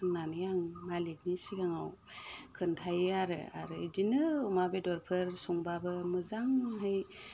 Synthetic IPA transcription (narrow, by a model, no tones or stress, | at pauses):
nanɯjaŋmalik̚nisiɡaŋaw | kʰɯntʰajɯaɾɯ̰a̰ɾɯdinɯumabedɔɾpʰɯɾsuŋbabɯmɯzaŋɦɯj